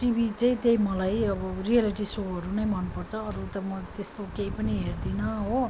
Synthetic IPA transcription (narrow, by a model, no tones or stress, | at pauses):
ʈibʱit͡sãĩt̪eĩmʌlajʌbʌrialiʈisoɦʌɾunʌjmʌnupʌrt͡sʰʌːɾut̪ʌmʌt̪est̪okeipʌniɦerd̪inʌɦo